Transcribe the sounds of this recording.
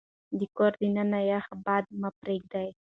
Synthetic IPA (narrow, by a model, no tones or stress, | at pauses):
d̪ikoɾd̪inanajahabad̪umapɾeɡ̚d̪aj